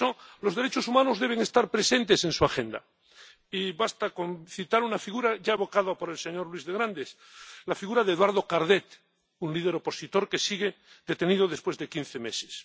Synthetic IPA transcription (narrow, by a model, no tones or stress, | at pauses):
olo̞zðe̞ɾe̞t͡ʃo̞sumãnozðe̞β̞e̞ŋe̞st̪aɾpɾe̞sẽ̞nt̪e̞sẽ̞nsuaxẽ̞nd̪a̰ | iβast̪akõ̞nθit̪aɾunafiɣuɾaʝaeβo̞kaðapo̞ɾe̞lseɲo̞ɾlwizðeɣɾand̪eθ | lafiɣuɾaðeːðwaɾð̞o̞kaɾðet̪ | unlið̞e̞ɾo̞po̞sit̪o̞ɾke̞siɣe | d̪e̞t̪e̞nið̞o̞ðe̞spwe̞zðe̞kin̟θeme̞se̥s